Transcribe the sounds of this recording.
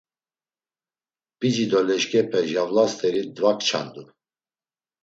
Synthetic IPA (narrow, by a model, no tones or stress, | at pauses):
b̥id͡ʒid̪ɔlɛʃkʼɛpʰɛʒavlast̪ʰʼɛɾid̪vakʰʼt͡ʃʰa̰nd̪u